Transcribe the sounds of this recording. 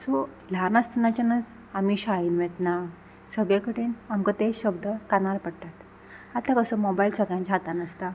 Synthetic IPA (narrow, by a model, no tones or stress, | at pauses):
so | lanast̪ənat͡ɕanət͡s | amiɕainʋet̪na | səɡɭekəɽiːnamkət̪eɕəbd̪əkanaɾpəɽt̪at̪ | at̪akəsɔmɔbailsəɡɭjãɲt͡ɕaɦat̪anast̪a